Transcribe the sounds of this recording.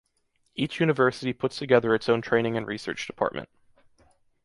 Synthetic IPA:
ʔit͡ʃjʉñɨvɜ˞sɨɾipʰʊtstʰɨɡɛðə˞ɨtsõʊ̃ntʰɹ̥ẽɪ̃nɪ̃ŋɨ̃nɹisɜ̰˞t͡ʃd̥ɨpʰɑ̰ɹt̚mʔɨ̰̃nt̚

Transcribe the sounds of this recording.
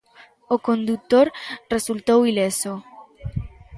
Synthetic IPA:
okond̪ut̪oɾresult̪owileso

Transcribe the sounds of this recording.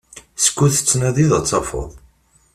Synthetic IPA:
sə̥kʷːuθə̥t͡sːnæðiðət͡sˤːɑfo̰ðˤ

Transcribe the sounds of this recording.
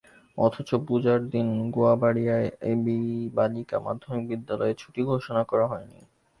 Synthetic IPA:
ɔt̪ʰot͡ɕopud͡ʑaɾd̪inɡoabaɽijaeebibalika̰ma̰d̪ʱːomik̚bid̪ːalɔet͡ɕʰuʈiɡʱoʃonakɔɾaɦɔenḭ

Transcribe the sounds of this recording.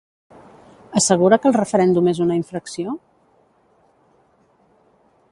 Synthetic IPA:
əsəɣ̞uɾəkəlˠrəfəɾɛnd̪umezunəiɱfɾəksio

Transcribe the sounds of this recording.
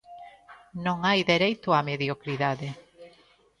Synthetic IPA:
nõŋajðeɾejt̪ʊameðjokɾiðaðe

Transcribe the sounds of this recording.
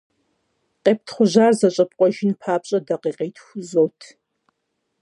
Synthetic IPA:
qeːp̚tʰχʷʊʑaːrzɐɕʼɐpqʷʼɔʒɪnpʰaːpɕʼɐdɐqeːqeːtʰxʷʊzowtʰ

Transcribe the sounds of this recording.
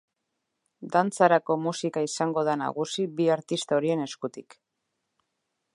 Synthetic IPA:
d̪ant͡saɾako̞musikaisaŋɡo̞ð̞ana̰ɣusibiaɾt̪ist̪aoɾie̞ne̞skut̪ik

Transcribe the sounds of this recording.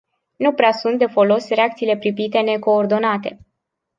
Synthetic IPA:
nupɾeasunt̪̚d̪e̞fo̞lo̞sreak̚t̪siːle̞pɾipit̪e̞ne̞ko̞ːrd̪o̞nat̪e̞

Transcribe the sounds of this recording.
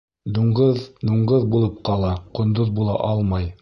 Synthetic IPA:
d̪uɴʁɤðd̪uɴʁɤðbulˠɤp̚qɑlˠɑqŏnd̪oðbulˠɑ̰ʔɑlˠmɑj

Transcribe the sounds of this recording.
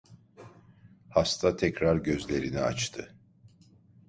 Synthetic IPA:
hast̪ʰat̪ʰɛcɾaɾɟø̞zlʲe̞ɾinia̰t͡ʃt̪ʰɯ

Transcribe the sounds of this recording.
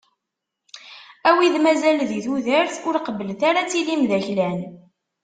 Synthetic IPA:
æwiðmæzælðiθuðəɾθʊɾqəvəlθaɾat͡sːilimðæçlæn

